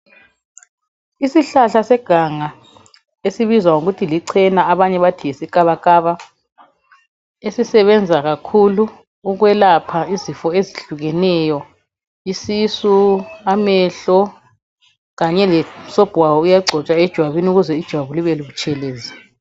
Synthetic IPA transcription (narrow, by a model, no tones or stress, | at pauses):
isiɬaɬasɛɡ̥ʱaŋa | esiβizwaŋuɣutʰiliǀʰɛnaaβaɲɛβatʰijesikʼaβakʼaβa | esisɛβɛnd͡zʱaɣakʰuluː | ɣwɛlapʰaizifɔeziɬuɣɛnɛjɔ | isisuamɛɬɔ | ɣaɲɛlɛsɔb̥ʱwawɔujaɡ͡ǀʱɔt͡ʃʼaɛd̥ʒ̥ʱwaβiniuɣuzɛid̥ʒ̥ʱwaβuliβɛluβut͡ʃʰʼɛleːzi